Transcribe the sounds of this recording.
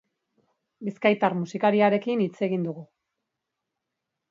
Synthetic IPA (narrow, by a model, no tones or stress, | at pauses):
biskajt̪aɾmusikaɾiaɾe̞kinit͡se̞ɣind̪uɣu